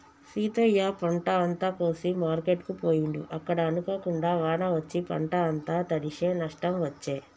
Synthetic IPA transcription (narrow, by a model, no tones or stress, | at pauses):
siːt̪ojaːpɐɳʈɐɐnt̪aːpoːsimaːɾkeʈkupoːjuɳɖiʔɐkːɐɽɐːnuko̞ːkuɳɖaːʋaːɳɐʋɐt͡ʃːipɐ̰ɳʈɐːnt̪aːt̪ɐɽiʂe̞ːnɐʂʈɐmʋɐt͡ʃːeː